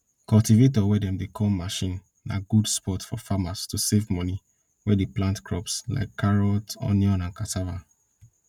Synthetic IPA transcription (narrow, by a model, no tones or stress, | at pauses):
kɔltivetɔwɛdɛ̃mdekʰɔmaʃĩnː | a̰ɡudspɔtfɔfamastusevmɔni | wɛdeplãntkɹɔpsla̰ɪkʰːaɹɔltɔ̰njɔ̃nãnkatʰava